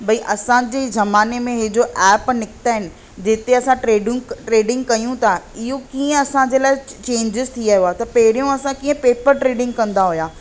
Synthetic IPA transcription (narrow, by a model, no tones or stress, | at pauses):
bɐiʔɐsãd͡ʑeːzɐmaːnemẽɦɪd͡ʑoʔɛːpnɪkɪ̥t̪aːɦɪnɪ̆ | d͡ʑeːt̪eɐsãʈɾeːɖɪ̃ŋɡʈɾeːɖɪ̃ŋɡkɐijũt̪ʰaɪɦokiːə̃ɐsãd͡ʑeːlaːɪt͡ɕẽːɲd͡ʑɪzt̪ʰiaːɦijoaːt̪ɐpɐɦɪɾijũɐsãkiːə̃peːpəɾʈɾeːɖɪ̃ŋɡ̚kɐ̃nd̪aɦʊjaː